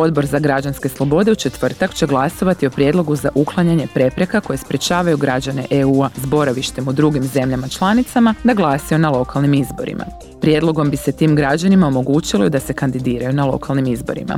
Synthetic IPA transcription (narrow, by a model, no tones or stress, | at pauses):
o̞d̪bo̞ɾzaɡɾad͡ʒanske̞slˠo̞bo̞d̪e̞ut͡ʃe̞t̪ʋr̩t̪akt͡ʃe̞ɡlˠaso̞ʋat̪io̞pɾje̞d̪lˠo̞ɡuzaʔuklˠaɲaɲe̞pɾe̞pɾe̞kako̞je̞spɾe̞t͡ʃaːʋajuɡɾad͡ʒane̞̰ʔeuːazbo̞ɾaʋiʃt̪e̞mud̪ɾuɡimze̞mʎamat͡ʃlˠanit̪samad̪aɡlˠaːsio̞nalˠo̞kalˠnimizbo̞̰ɾḭmʔa̰ | pɾje̞d̪lo̞ɡo̞mbise̞t̪iːmɡɾad͡ʒanimao̞mo̞ɡuːt͡ʃilod̪ase̞kand̪id̪iːɾajunalˠo̞̰kalˠnimizbo̞̰ɾḭma̰